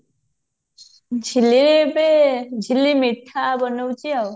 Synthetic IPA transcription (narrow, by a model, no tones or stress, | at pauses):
d͡ʒʱiliped͡ʒʱilimiʈʰːabɔnowt͡ʃʰiaw